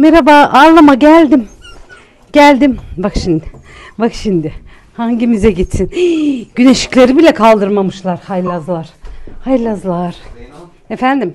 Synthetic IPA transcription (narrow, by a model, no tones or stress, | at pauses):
meɾabaːʔaɾlˠamaɟælʲd̪im | ɟ̥ælʲd̪imbakʃimd̪ɪ | bakʃind̪ɪ | haɲɟimizɛɟit̪sinɟyne̞ʃi̥clʲe̞ɾibilʲɛkʰalˠd̪ɯɾmamɯʃlˠaɾhajlʲazlˠaɾ̥hajlʲazlˠaɾ̥ | efænd̪im